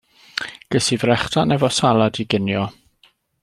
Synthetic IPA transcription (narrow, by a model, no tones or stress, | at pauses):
ɡ̥əsivrɛχtʰanɛvɔsalˠadiɡɪnjɔ